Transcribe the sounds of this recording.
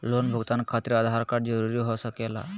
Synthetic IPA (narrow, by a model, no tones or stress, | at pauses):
lonbʱəɡt̪ankʰat̪ɾiad̪ʱaɾkaɽd͡zəɾuɾiɦosəkɛla̰